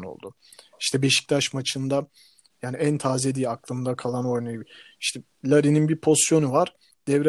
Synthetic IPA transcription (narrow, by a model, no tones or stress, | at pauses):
no̞̰lˠd̪ʊ | i̥ʃt̪ʰɛbe̞ʃi̥c̚t̪ʰaʃmat͡ʃʰɯnd̪a | jaːniænt̪ʰaːzed̪iːaklˠɯmnd̪akʰalˠano̞jnaj | iʃt̪ʰɛ | lʲaɾininbiɾpʰo̞st̪jo̞nuvaɾ̥ | d̪̥ɛvɾɛ